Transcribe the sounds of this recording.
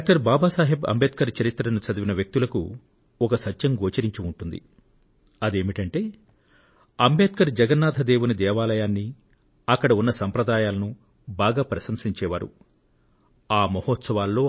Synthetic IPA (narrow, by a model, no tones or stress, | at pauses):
aːk̚ʈɐɾbaːbaːsaːɦibɐ̰mbeːt̪̚kɐɾt͡ʃɐɾit̪ːɾɐnut͡ʃɐd̪ɐʋinɐʋjɐk̚t̪ulɐkṵ | ɔkɐsɐtːʃɐmɡoːt͡ʃɐɾiɲt͡ʃiuɳʈund̪ḭ | ɐd̪eːmiʈɐɳʈeː | ɐmbeːt̪̚kɐɾd͡ʒɐɡɐnːaːd̪ʱɐd̪eːʋunid̪ɛːʋaːlɐjaːnːi | ɐkːɐɽɐunːɐsɐmpɾɐd̪aːjaːlɐnu | baːɡaːpɾɐsɐmsiɲt͡ʃɛːʋaːɾṵ | aːmɐhɔːt̪sɐʋaːlːo̞ː